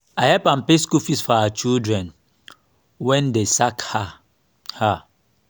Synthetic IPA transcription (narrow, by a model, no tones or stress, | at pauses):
ahɛpãmpeskufisfɔawat͡ʃidɹɛ̃n | wɛ̃ndesakha | ha